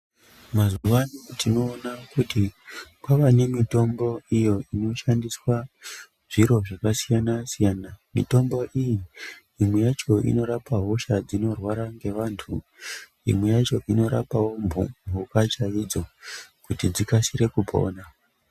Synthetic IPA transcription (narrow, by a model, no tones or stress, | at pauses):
mazuwanotino̞ːnakutikwaʋanemito̞mbo̞ijo̞ʔino̞ʃandiswa | ʐiɾo̞ʐakasijanasijanamḭto̞mbo̞ʔiji | imwe̞jat͡ʃo̞ʔḭno̞ɾapaɦo̞ʃad͡zino̞rwaɾaŋɡe̞ʋantʰṵ | ḭmwejat͡ʃo̞ʔino̞ɾa̰pawo̞mbʱṵmbʱukat͡ʃaid͡zo̞kutid͡zikasiɾe̞kupʰo̞̰ːna